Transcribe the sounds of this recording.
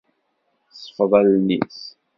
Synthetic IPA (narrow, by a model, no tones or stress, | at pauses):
sˤə̥fðˤɑlnḭs